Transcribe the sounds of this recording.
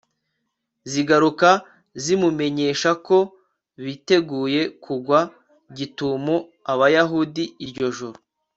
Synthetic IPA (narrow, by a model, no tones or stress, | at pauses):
ziɡaɾuka | zimume̞ɲe̞ːʃako̞ | βite̞ɡuːje̞kʰuɡwa | ɟitumo | aβajaɦudiiɾɟo̞ʒuɾu